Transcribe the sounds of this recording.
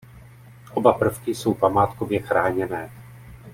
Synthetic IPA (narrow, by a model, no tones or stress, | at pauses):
ʔo̞bapr̩fkɪso̞wpamaːt̪kovjɛxɾaːɲɛnɛː